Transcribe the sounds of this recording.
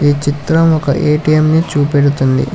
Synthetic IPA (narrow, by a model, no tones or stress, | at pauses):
iːt͡ʃit̪ɾɐmɔkɐʔeːʈijemnit͡ʃuːpeɽut̪und̪ḭ